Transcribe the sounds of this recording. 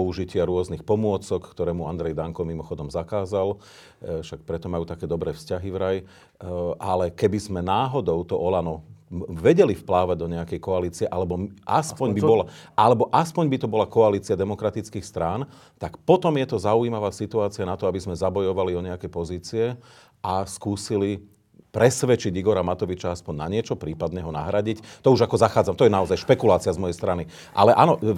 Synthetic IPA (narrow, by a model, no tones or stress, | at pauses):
pɔuʒicɪaɾʊɔznixpɔmʊɔt͡sɔkːkt̪ɔɾɛːmuand̪ɾɛjd̪aŋkɔmimɔxɔd̪ɔmzakaːzal | fʃak̚pɾɛt̪ɔmajuːt̪akɛːd̪ɔbɾɛːfscaɦiʋɾaj | ʔalɛkɛbizmɛnaːɦɔd̪ɔʊt̪ɔʔɔlanɔʋɛɟɛlifplaːʋaɟ̚d̪ɔɲɛakɛjkɔaliːt͡siɛʔalɛbɔmʔa̰spɔɲbibɔlalɛbɔʔaspɔɲbit̪ɔbɔlakɔaliːt͡siad̪ɛmɔkɾat̪it͡skiːxst̪ɾaːn | t̪akpɔt̪ɔmjɛt̪ɔzauimaʋaːsit̪uaːt͡sianat̪ɔabizmɛzabɔjɔʋaliɔɲɛakɛjpɔziːt͡siɛ | askuːsili | pɾɛsʋɛt͡ʃiɟiɡɔɾamat̪ɔʋit͡ʃaaspɔɲna̰ɲɪɛt͡ʃɔpɾiːpad̪ɲɛɦɔna̰ɦɾaɟict̪ɔuʒakɔzaxaːd͡zamt̪ɔjɛnaɔzajʃpɛkulaːt͡siazmɔjɛjst̪ɾani | ʔa̰lɛʔa̰nɔ